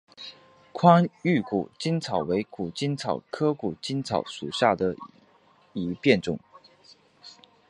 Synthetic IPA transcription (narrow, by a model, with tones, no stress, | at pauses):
kʰwa˥ny˥˩ku˨˩t͡ɕi˥nt͡sʰɑ˨˩ʊwe˧˥ɪku˨˩t͡ɕi˥nt͡sʰɑ˨˩ʊkʰɤ˥ku˨˩t͡ɕi˥nt͡sʰɑ˨˩ʊʂu˨˩ɕja˥˩d̪ə˩ | i˧˥pjɛ˥˩nʈ͡ʂʊ̰˨˩ŋ